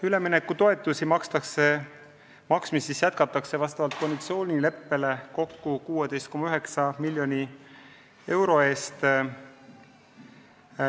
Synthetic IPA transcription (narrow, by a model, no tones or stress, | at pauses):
yle̞minekːˑut̪o̞e̞t̪ːˑusimɑkst̪ɑkse | mɑksmisisjæt̪̚kɑt̪ːˑɑkse̞vɑst̪ɑvɑlt̪̚ko̞nd̪it̪sio̞ːnʲile̞pːe̞le̞ko̞kːukuːe̞d̪̥e̞jst̪̚ko̞mːɑyɦeksɑmilʲjo̞ni | e̞wɾo̞e̞ːst̪